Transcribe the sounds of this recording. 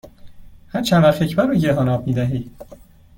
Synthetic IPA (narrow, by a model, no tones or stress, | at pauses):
hæɾt͡ʃʰænvæɾfecʰbæɾoɟeɦɒːnɒːb̚miːd̪æɦiː